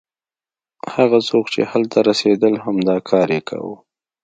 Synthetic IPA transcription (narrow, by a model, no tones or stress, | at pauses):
haɣasokt͡ʃḛhalt̪aɾased̪əlhamd̪ɑkʰɑɾjekʰa̰wṵ